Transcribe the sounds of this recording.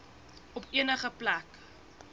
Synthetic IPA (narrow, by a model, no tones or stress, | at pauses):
ɔpiənəχəplæk